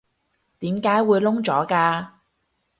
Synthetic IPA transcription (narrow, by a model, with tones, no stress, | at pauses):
t̪iː˨˥mkaː˨˥jwuː˨˧jlʊ˥ŋt͡sɔː˨˥kaː˧